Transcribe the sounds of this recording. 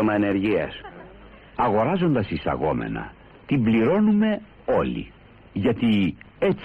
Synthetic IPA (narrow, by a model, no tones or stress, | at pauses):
omɐene̞ɾʝiɐ̰s | ɐɣo̞ɾɐzo̞nd̪ɐsisɐ̰ɣo̞̰me̞̰nɐ̰ | t̪imbliɾo̞nume̞ | o̞lḭ | ʝɐt̪i | et͡s